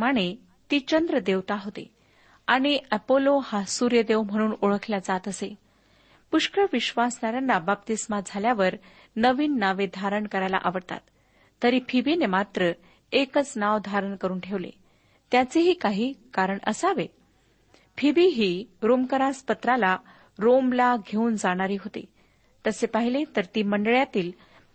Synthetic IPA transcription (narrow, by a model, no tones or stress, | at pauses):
maɽ̃e | t̪iːt͡ɕənd̪ɾəd̪eʋt̪aɦot̪ḛ | aɽ̃iəpolohasuɾjəd̪eʋm̤əɽ̃uːnoɭəkʰljad͡zat̪əse | puʂkɾəʋiɕʋasnaɾjanːabap̚t̪ismad͡zʱaljaʋəɾ | nəʋiːnːaʋed̪ʱaɾəɳkəɾajla̰ʔa̰ʋəɾt̪a̰t̪ː | əɾiːpʰibinemat̪ɾə | ekət͡snaʋd̪ʱaɾəɳkəɾuːnʈʰeʋlḛ | t̪jat͡seɦiːkaɦiːkaɾəɳə̰saʋe | pʰibiɦiːɾomkəɾaspət̪ɾala | ɾomlaɡʱeuːnd͡zaɽ̃aɾiːɦot̪ḛ | t̪əsepaɦilet̪əɾt̪iːməɳɖəɭjat̪iːl